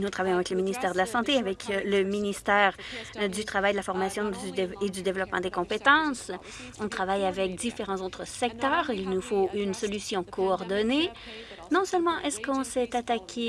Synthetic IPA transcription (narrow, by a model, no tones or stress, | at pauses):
nuɔ̃t̪χavajɔ̃avɛkləminist̪ɛːʁd̪əlasɑ̃t̪eavɛkləminist̪ɛːʁd̪yt̪χavajd̪əlafɔʁmasjɔ̃d̪yed̪yd̪evlɔpmɑ̰̃d̪ekɔ̃pet̪ɑ̃s | ɔ̃t̪χavajavɛk̚d̪ifeʁɑ̃zot̪χəsɛk̚t̪œːʁilnufoʔynsɔlysjɔ̃kʰɔːʁd̪ɔne | nɔ̃sœlmɑ̃ʔɛskɔ̃sɛt̪at̪akʲʰe